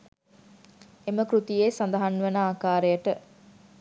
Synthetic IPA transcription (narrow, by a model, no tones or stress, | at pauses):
eməkɾut̪ijeːsand̪əɦanːʋənaaːkaːɾejəʈə